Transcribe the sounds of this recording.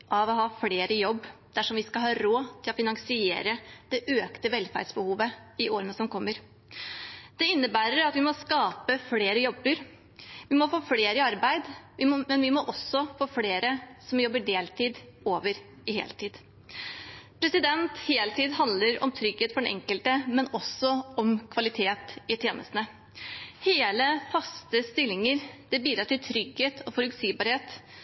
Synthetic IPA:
ʔɑʋɔɦɑːfleːɾəjɔbːd̪̥æʂɔmʋɪskɑɦɑːɾoːt̪ʰɪlɔfɪnɑŋsɪḛːɾəd̪̥ɛʔøːkt̪əʋɛlfæ̰ɖsbəhuːʋəɪʔoːɾənəsɔmkʰɔmːəɾ | d̪̥ɛɪnːəbæːɾəɾɑt̪ʋɪmɔskɑːpəfleːɾəjɔbːəɾ | ʋɪmɔfoːfleːɾəɑɾbæɪd̪ʋɪmɛnʋɪmɔʔɔsɔfoːfleːɾəsɔmjɔbːəɖeːlt̪ʰiːd̪oːʋəɾ | ɪhḛːlt̪iːd̪̥ | pʰɾɛsɪd̪ɛnt̪heːlt̪iːd̪hɑnd̪ləɾɔ̰mt̪ʰɾʏɡheːt̪fɔɖɛnʔɛ̰ŋkəlt̪əmɛnɔsːɔɔmkʰʋɑlɪt̪ʰeːt̪ɪt̪ʰjeːnʔə̰st̪nə | heːləfɑst̪əst̪ɪlːɪŋəɾd̪̥ɛbiːd̪ɾɑʈ̪ɪlt̪ʰɾʏɡheːt̪ʰɔfɔɾʉksiːbɑɾheːt̪

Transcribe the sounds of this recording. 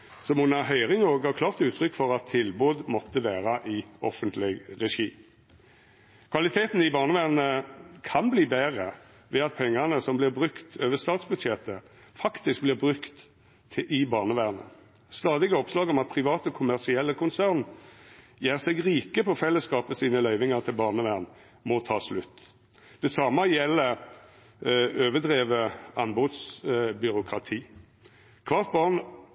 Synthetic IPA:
sɔmunɑɦœʏʁɪŋoːɡɑkʰlɑːʁt̪ʉːt̪ʰɾʏkːfɔʁɑt̪ʰːɪlbuːd̪mɔt̪ːəʋæːʁɑʔɪɔfənt̪lɪɡʁɛʂiː | kʰʋɑlɪt̪ʰeːt̪n̩ɪbɑːʁnəʋæːʁnəkʰɑnbliːbæːʁə | ʋɛɑt̪̚pʰɛŋːɑnəsɔmblɪʁbʁʉkt̪øːʋəst̪ɑːt̪sbʉd̪ʃɛt̪ə | fɑkt̪ɪsk̚blɪːʁbʁʉkt̪ | ʔɪbɑːʁnəʋæːʁnə̰ | st̪ɑːd̪ɪɡəɔpslɑːɡɔmɑt̪̚pʰʁɪʋɑːt̪əkʰʊmæʁsɪɛlːəkʰʊnsæːʁn | jæːʁsɛɡʁiːkəpʰɔfɛlːəskɑːpəsiːnəlœʏʋɪŋɑʁt̪ʰɪlbɑːʁnəʋæːʁn | mɔt̪ʰɑːslʉt̪ː | d̪̥ɛsɑmːɑjɛlːə | øːʋəd̪ʁeːʋəɑnbʊd̪sbʏɾʊkʰʁɑt̪ʰiː | kʰʋɑʁt̪̚bɑʁn

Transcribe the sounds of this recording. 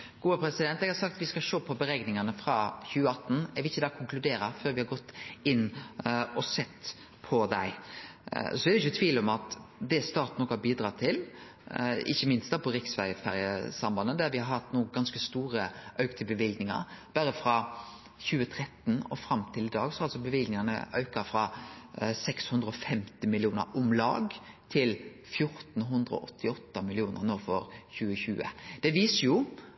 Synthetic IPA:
ɡ̥uːəpʰɾɛsɪd̪ɛnt̪ɛɡhɑɾsɑk̚t̪ʋɪskɑlʃoːpʰɔbəɾɛɡnɪŋɑnəfɾɑçʉːəɑt̪n̩ɛɾʋɪɪçːəd̪ɑːkʰʊŋklʉd̪eːɾɑføːɾʋɪhɑɡɔt̪ːɪnːɔsɛt̪ː | pʰɔd̪æ̰ɪ̰ | sɔɛd̪ɛɪçʊt̪ʰʋiːlɔmɑt̪d̪ɛst̪ɑːɾt̪nɔkːʊhɑbiːd̪ɾɑːt̪ʰɪl | ɪ̰çːəmɪnst̪ɑpʰɔɾɪksfæɾəfæɾjəsɑmbɑnːəd̪æɾʋɪhɑɾhɑt̪ːnuːɡɑnskəst̪uːɾəʔœʉkt̪ʰɪlbəʋɪlɡ̪nɪŋɑ̰ɾb̥æɾəfɾɑ | çʉːət̪ʰɾɛt̪nɔ̰fɾɑmt̪ʰɪlɪd̪ɑːɡsɔɑlsɔbəʋɪlɡ̪nɪŋənə̰ʔœʉkəfɾɑ | sɛkshʉnd̪ɾəɔfɛmt̪ɪmɪlɪuːnə̰ɾʊmlɑ̰ːɡt̪ʰɪl | fjʊɾt̪n̩ɦʉnd̪ɾəɔ̰ʔɔt̪ʰːɪɔt̪ːɑmɪlɪuːnə̰ʁnoːfɔɾçʉːəçʉːə̰d̪̥ɛʋiːsəjʊ

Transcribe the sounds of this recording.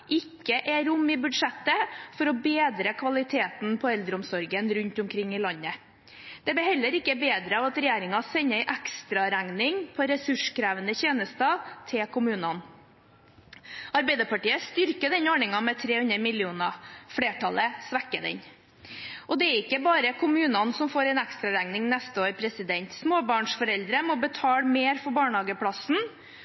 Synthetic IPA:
ʔɪkːəʔɛɾʊmːɪbʉd̪ʂɛt̪ːəfɔɾɔbeːd̪ɾəkʰʋɑlɪt̪ʰeːt̪npʰɔɛld̪ɾəʊmsɔɾɡənɾʉnt̪ʊmkʰɾɪŋːɪlɑɲːə | d̪̥ɛbɪhɛlːəɾɪkːəbeːd̪ɾəɑʋɑt̪ɾɛjeːɾɪŋɑsɛɲːəæɪʔækst̪ɾɑɾæŋnɪŋpʰɔɾɛsʉʂkʰɾæːʋənəçeːnəst̪ɑt̪ʰɪlkʰʊmʉːnɑn | ɑɾbæɪd̪əpʰɑʈiːəst̪ʏɾkəd̪ɛnoɳɪŋɑmɛt̪ʰɾeːhʉnəmɪlɪuːnɑfɽeːʈʰɑləsʋækːəd̪ɛ̰ɲ | ʔɔd̪ɛɛɾɪkːəbɑːɾəkʰʊmʉːnɑnsɔmfoːɾɛɪnækst̪ɾɑɾæŋnɪŋnɛst̪əoːɾpʰɾɛsɪd̪ɛnt̪smoːbɑːɳʂfɔɾɛld̪ɾəmɔbət̪ʰɑːlmeːɾfɔbɑːɳhɑːɡəpʰɽɑsn̩

